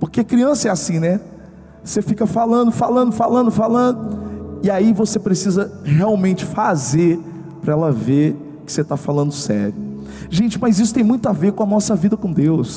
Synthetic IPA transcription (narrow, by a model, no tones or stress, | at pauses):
poɾkeɐkɾiɐ̃sɐɛasĩnɛ | sefikɐfalɐ̃nd̪ʊfalɐ̃d̪ʊfalɐ̃nd̪ʊfalɐ̃nd̪ʊɪaivosepɾesizɐheawmẽnt͡ʃɪ̥fazeɾ | pɾɐɛlɐveɾ | kɪ̥set̪afalɐ̃nd̪ʊsɛ̰ɾjʊ | ʒẽnt͡ʃɪmɐzisʊt̪ẽj̃mũj̃t̪ʊaveɾkõɐnɔsɐvid̪ɐkõd̪ews